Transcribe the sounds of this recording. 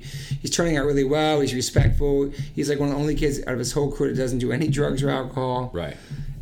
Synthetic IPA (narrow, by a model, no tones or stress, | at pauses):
hiz̥tʰɜ̃˞nɪ̃ŋaʊʔɹɪlˠiwɛlˠizɹɨspɛk̚tfl̩ˠhizlaɪkwʌ̃nðiõʊ̃nlikʰɪdza̰ʊɾʌvɨz̥hoʊlˠkʰuɾɨd̥ʌzn̩d̥ɨɛnidɹʌɡzə˞aʊkəhɑlˠɹa̰ɪt̚